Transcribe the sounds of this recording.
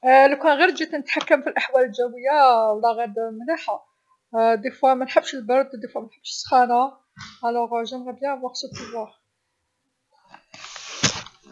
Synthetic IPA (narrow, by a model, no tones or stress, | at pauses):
likænɣiɾd͡ʒit̪nət̪ħakːəmfilʔaħwæləlʒæwəjːawlːæɣæd̪mniħa | d̪ifwæmænħəbːʃəlbɑɾˤd̪ˤd̪ifwæmænħəbːʃəsːxæna | ʕælæɣʒæmɣæbjæwæqsˤud̪əlːæ